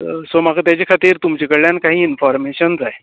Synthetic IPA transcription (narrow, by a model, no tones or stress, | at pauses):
somakat̪jat͡ɕekʰat̪iːɾt̪umt͡ɕekəɽljankaɦĩːinfɔɾmeɕənd͡zaɦe